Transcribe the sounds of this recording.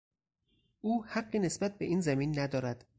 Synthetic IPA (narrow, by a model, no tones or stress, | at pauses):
ʔuːhæɢːiːne̞sbæt̪̚be̞ʔiːnzæmiːnːæd̪ɒːɾæd̪̥